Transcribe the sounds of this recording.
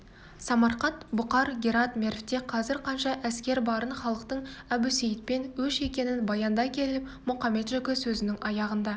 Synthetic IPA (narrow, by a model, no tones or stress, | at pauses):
sɑmɑɾqɑt̪bʊqɑɾɡʲeɾɑt̪mʲe̞rft̪e̞qʰɑzɪɾqʰɑnʃɑʔæskʲe̞ɾbɑɾənχɑlˠəqt̪əɴæbusejɪt̪̚pe̞nwɵʃe̞kʲe̞nɪnbɑjɑnd̪ɑkʲʰe̞lɪpmʊqɑme̞t̪ʒɵkʲɪsɵzɪnɪŋɑjɑʁənd̪ɑ